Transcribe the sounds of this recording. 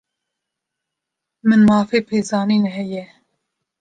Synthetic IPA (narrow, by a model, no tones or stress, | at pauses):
mɨnmɑːfeːpʰeːzɑːniːnɛɦɛjɛ